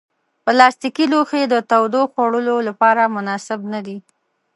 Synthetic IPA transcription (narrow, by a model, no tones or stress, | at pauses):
pəlɑst̪ikiloxed̪ət̪awd̪oxwaɽəlolapɑɾamʊnɑsɪbnad̪i